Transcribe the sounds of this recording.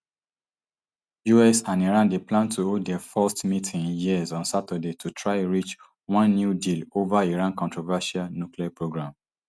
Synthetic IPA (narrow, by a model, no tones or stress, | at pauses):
juɛsãniɹãndeplãntʰuodɛfɔstmitʰĩŋjiəzɔ̃nsatədetʰutʰɹaɪɹit͡ʃ | wɔ̃nːjudilovaiɹãnkɔ̃ntɹovaʃalnukliapɹoɡɹãm